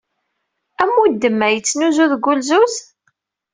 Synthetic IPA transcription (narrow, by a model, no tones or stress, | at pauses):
æmːud̪ːəmːæjət͡sːnuzuðɡʷʊlzus